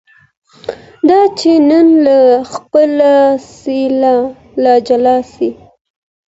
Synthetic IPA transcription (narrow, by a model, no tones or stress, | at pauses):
d̪ɑt͡ʃenənlaxpəlasila | lɑd͡ʒalɑsi